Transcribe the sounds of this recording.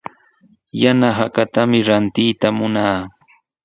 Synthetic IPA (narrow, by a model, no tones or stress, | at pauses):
janaɦakat̪amɪɾant̪ɪːt̪amʊnaː